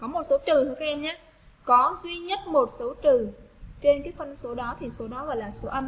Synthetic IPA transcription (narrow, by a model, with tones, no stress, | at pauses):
kɔ˨˦mo˨˩t̚so˨˦t͡ɕɨ˨˩t̪ɨ˨˧˦kaː˧˦˥ʔɛ˧mɲaː˨˦ | kɔ˨˦zwi˧ɲə˦˥t̚mo˨˩t̚so˨˦t͡ɕɨ˨˩t͡ɕe˧nkaː˨˦jfə˧nso˨˦ɗɔ˨˦t̪ʰi˨˩so˨˦ɗɔ˨˦ɣɔ˧˩jlaː˨˩so˨˦ʔə˧m